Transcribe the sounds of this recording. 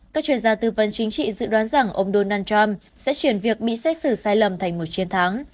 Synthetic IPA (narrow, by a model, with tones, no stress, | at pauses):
kaː˦˥k̚t͡ɕwi˧ənzaː˧t̪ɨː˧və˨˦nt͡ɕï˨˦ŋ̟t͡ɕḭ˧˨zɨ̰˧˨ɗwaː˨˦nza˨˧˩ŋʔə˧wŋ͡mɗo˧nːʔaː˧nt͡ɕa˧m | sɛ̰˧˥t͡ɕwi˧˩ənvi˨˩ək̚ɓḭ˧˨sɛ˦˥t̚sɨ˧˩saː˧jlə˨˩mt̪ʰjŋ̟mo˨˩t̚t͡ɕi˧ənt̪ʰa˨˦ŋ